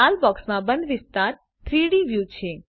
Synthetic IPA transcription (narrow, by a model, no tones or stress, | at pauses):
albɔksmãbənd̪ʋɪst̪aɾ | t̪ʰɾiɽiʋjut͡ʃʰe